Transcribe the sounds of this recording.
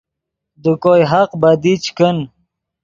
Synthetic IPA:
d̪ukojɦaqbad̪it͡ɕkən

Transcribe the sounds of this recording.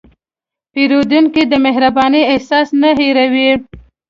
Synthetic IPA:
peɾod̪uŋkid̪əmeɦɾabɑniehsɑsnaɦeɾawi

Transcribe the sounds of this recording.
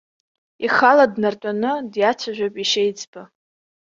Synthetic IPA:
iχaladnartʷʼanɨdjat͡sʷʰaʒᶣʷopʼiʃejd͡zʼbɨ

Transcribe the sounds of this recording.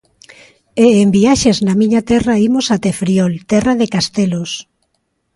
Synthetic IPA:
eːmbiaʃeznɐmiɲat̪ɛraimosat̪efɾiɔlt̪ɛraðekast̪elos

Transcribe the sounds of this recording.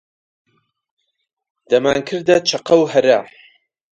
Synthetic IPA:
d̪̥ɐmaːŋkʰɨɾd̪ɐt͡ʃʰɐqɐwɦɐɾɐ

